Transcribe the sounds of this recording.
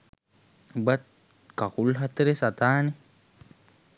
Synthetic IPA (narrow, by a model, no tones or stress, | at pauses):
bat̪̚ | kakulɦat̪eɾesat̪aːni